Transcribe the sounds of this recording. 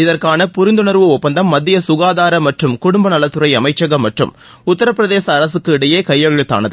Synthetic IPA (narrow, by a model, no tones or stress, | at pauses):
ɪðɐrkaːnɐpʊɾɪnd̪ɯnɐɾʋɯɔpːɐnd̪ɐmːɐd̪ːɪjɐsʊɣaːðaːɾɐmːɐʈrɯmkʊɽʊmbɐnɐlɐt̪ːɯɾɐɪɐmɐɪt͡ʃːɐɣɐmːɐʈrɯ̰m | ʊt̪ːɐɾɐpːɯɾɐðeːsɐːɾɐsɯkːɯɪɽɐjeːkɐjːɐɣɪɻɯt̪ːa̰ːnɐðɯ